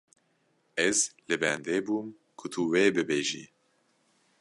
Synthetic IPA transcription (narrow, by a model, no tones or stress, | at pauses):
ɛzlɨbɛnd̪eːbuːm | kʰʊt̪ʰuweːbɨbeːʒḭː